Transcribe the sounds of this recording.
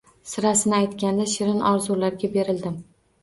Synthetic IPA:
sɪɾasɪnɪajt̪kʲand̪aʃɪɾɪnɒɾzulaɾɡʲabe̞ɾɪld̪ɪm

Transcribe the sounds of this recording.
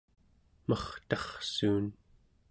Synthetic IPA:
mʌχt̪ɑχsuːn

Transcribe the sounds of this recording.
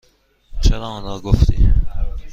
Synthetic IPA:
t͡ʃʰeɾɒːmɒnɾɒɡoft̪ḭː

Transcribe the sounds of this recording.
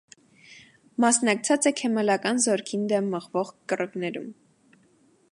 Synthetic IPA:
mɑsnɑk̚t͡sʰɑt͡sɛkʰɛmɛlɑkɑnzɔɾkʰind̪ɛmːəʁvɔʁkərəknɛɾṵm

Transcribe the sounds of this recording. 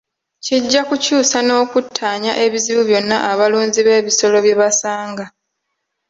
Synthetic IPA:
ciɟːakucuːsano̞ːkutʰːaːɲa̰ʔe̞βiziβuβjo̞nːaʔaβaluːnziβe̞ːβiso̞lo̞βjeβasaːŋɡa

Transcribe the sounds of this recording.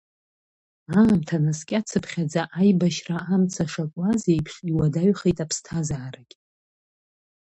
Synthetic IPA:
amtʰanaskʲʼat͡sʰɨpʰχʲad͡zaʔajbaʃraamt͡sʰaʂakʷʼazejpʰʂiwadaɥχejtʼapʰstʰazaːɾakʲʼ

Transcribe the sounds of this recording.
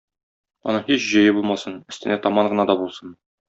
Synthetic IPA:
ɒ̰nɤhiɕʑɤ̆jɘbulˠmɑsɤnɘ̆st̪ɘ̆næt̪ɒmɑɴɢɤ̆nɑd̪ɒbulˠsɤn

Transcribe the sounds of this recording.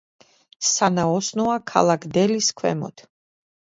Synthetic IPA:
sanaɔsnɔakʰa̰lˠakʰd̪ɛliskʰwɛ̰mɔ̰t̪ʰ

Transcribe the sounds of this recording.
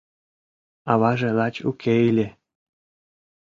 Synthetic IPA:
ɑβɑʒĕlɑt͡ɕukʰeilʲe

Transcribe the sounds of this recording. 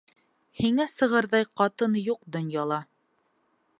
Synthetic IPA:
hiŋæsɤ̆ʁɤɾðɑjqɑt̪ɤnjuq̚d̪ŏnjɑlˠɑ

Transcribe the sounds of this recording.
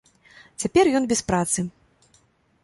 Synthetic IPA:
t͡sʲapʲɛrjɔnbʲɛspɾat̪sɨ

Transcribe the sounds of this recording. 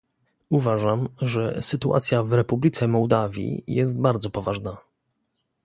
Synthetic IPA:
uvaʐamʐɛsɘt̪uʔa̰t̪sʲjavɾɛpublʲit̪sɛmɔwd̪avʲjḭjɛs̬t̪̚baɾd̪zɔpɔvaʐna

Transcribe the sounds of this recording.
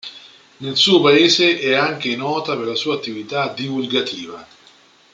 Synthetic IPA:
nelsuːopaeːzeʔɛaŋk̟enɔːt̪aperlasuːaːt̪ːivit̪ad̪ivulɡat̪ʰiːva

